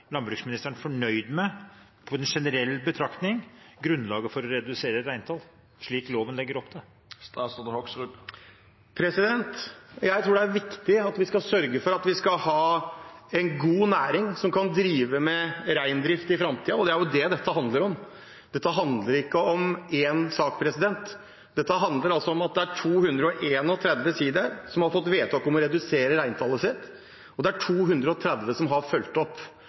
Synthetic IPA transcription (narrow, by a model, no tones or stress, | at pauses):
lɑnbɾʉksmɪnɪst̪əɳfɔɳœʏd̪mɛ | pʰɔɛnʂɛnəɾɛlːbət̪ʰɾɑkt̪nɪŋɡɾʉnːlɑːɡəfɔɾɔɾɛd̪ʉseːɾəɾæɪnt̪ʰɑl | ʂɭiːkloːʋənlɛɡːəɾɔpːd̪ɛ | st̪ɔd̪əhɔksɾʉ | pʰɾɛsɪd̪ɛnt̪jæɪt̪ʰɾuːɖɛæɾʋɪkt̪ɪɑt̪ʋɪskɑsœɾɡəfɔɾɑt̪ʋɪskɑlhɑːɛnɡuːnæːɾɪŋsɔmkʰɑnd̪ɾiːʋəmɛɾæɪnd̪ɾɪft̪əɪfɾɑmt̪ʰiːɑɔd̪ɛæɾjʊd̪ɛd̪ɛt̪ːəɦɑnd̪ləɾɔm | d̪ɛt̪ːəɦɑnd̪ləɾɪkːəɔmeːnsɑːk̚pʰɾɛsɪd̪ɛnt̪ | d̪̥ɛt̪ːəɦɑnd̪ləɾɑlsɔɔmɑt̪̚d̪ɛæʈʰuːhʉnd̪ɾəɔʔeːnɔt̪ʰɾɛd̪ʋəsiːd̪əɾsɔmhɑɾfɔt̪ːʋeːt̪ʰɑkɔmɔɾɛd̪ʉseːɾəɾæɪnt̪ʰɑlːəsɪt̪ː | ɔd̪ɛæʈʰuːɦʉnd̪ɾəɔt̪ʰɾɛd̪ʋəsɔmɦɑɾfœlt̪ɔpː